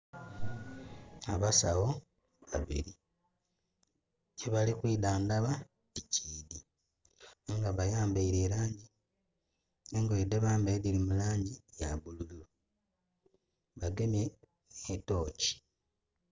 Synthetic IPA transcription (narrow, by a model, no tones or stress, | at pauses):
aβasaɣo̞ | βa̰βḭɾi | eβalixwiːdaːndaβa | ticiːdi | ŋɡaβajaːmbaiɾe̞ːlaːɲɟi | eŋɡojedeβaːmbeːðilimulaːɲɟijaβulululo | βaɡemjeː | to̞ːci̥